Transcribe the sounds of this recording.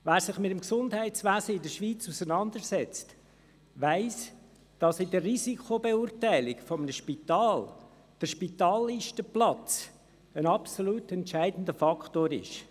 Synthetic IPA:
ʋæːɾsɪχmɪtəmksʊndɦæɪtt͡sʋæːzəɪdəʃʋiːt͡susənɑnd̪əɾsɛt͡st | ʋæɪs | d̥ɑsɪdərrizikʰobeuːɾtæɪlɪkfɔmənəʃpitɑːl | d̥əɾʃpitɑːlːiʃtəplɑt͡s | ənɑpsoluːtɛntʃæɪdən̩dəfɑkχtoːɾɪ̰ʃ

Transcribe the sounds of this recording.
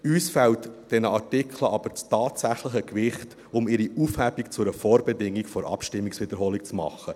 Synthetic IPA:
yːsfɛltd̥ɛnəɑɾtɪkʰləɑb̥əɾt͡stɑːtsæχləχəkʋɪχt | ʊmɪɾiʔufhæbikt͡sʊɾəfoːɾbɛdɪŋːikfɔɾʔɑ̰pʃtɪmːiksʋɪd̥̪əɾɦoːlik̚t͡smɑ̰χə

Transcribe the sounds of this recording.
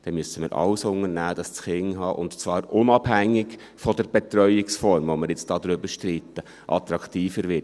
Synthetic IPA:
d̥ɛmysəmɪ̰ːɾʔɑ̰wsʊŋəɾnæːd̥ɑst͡sχɪŋɦɑːʔʊ̰ntt͡svɑːɾʊnɑbhæŋːɪk | fɔdəɾb̥et̪ɾœʏɪksfɔɾmvoməɾjɪt͡sd̥ɑːd̪ɾʏbəʃtɾit̪ːə | ʔɑ̰t̪ɾɑktiːfəɾʋɪt

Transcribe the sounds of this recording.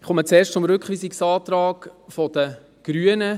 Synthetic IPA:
ɪχomət͡seːʃt͡sʊmɾʏkχʋiːsiksɑːtɾɑːɡfɔd̥̪ə | ɡ̥ɾyːənə

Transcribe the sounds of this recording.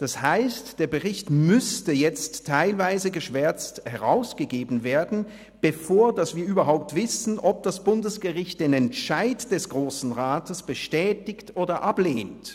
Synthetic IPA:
d̥ashaɪstd̥eːɐɡəʁɪçtmʏstəjɛt͡stʰːaɪlvaɪzəɡəʃv̥ɛɐt͡sthɛʁaʊsɡ̥əɡeːbn̩veːɐdn̩ | b̥əfoːɐdasv̥iːɐʔyːbɐɦaʊp̚tv̥ɪsn̩ʔɔp̚d̥asb̥ʊndəsɡ̥əʁɪçt̚d̥eːnɛntʃaɪtd̥ɛsɡ̥ʁoːsn̩ʁaːtəsb̥əʃtɛːtɪktʔoːdɐʔapleːnt

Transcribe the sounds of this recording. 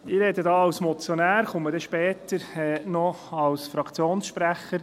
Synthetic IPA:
ɪːɾɛd̪ədɑːɑwsmɔt͡sjonæːɾχʊmːəɾdɛʃpɛːtəɾɛnɔɑlsfɾɑkt͡sjoːnsʃpɾæχəɾ

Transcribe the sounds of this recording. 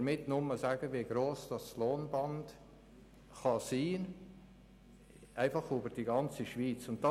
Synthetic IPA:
mɪtnʊməzaːɡəviɡɾoːsd̥ɑsloːnbɑnd | χɑsiː | ʔæɪfɑχybəɾd̥iɡɑnt͡siʃviːt͡sʊnt̚d̥ɑ

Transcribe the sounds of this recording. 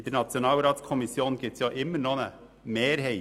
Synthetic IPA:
d̪əɾnɑt̪sjɔnɑːlɾɑːt̪skʰɔmɪsjoːnɡɪt̪sjɑːʔɪmːəɾnoːnə | meːɾɦeɪ

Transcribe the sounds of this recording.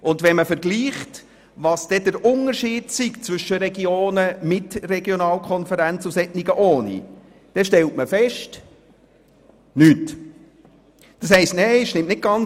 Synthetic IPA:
ʊnd̪ʋɛnməfəɾɡliːχt | ʋɑːsd̥ɛd̥̪əɾʊnəɾʃiːd̥siɡt͡svʏʃəɾɛɡioːnəmɪtrɛɡjonɑːlkʰɔnfəɾænt͡susɛtniɡəʔoːnḭ | d̪̥ɛʃtɛltməfɛʃt | nyːt | d̥ɑshɛɪstnɛɪɪʃnɪmtnɪt̚ɡ̥ɑn

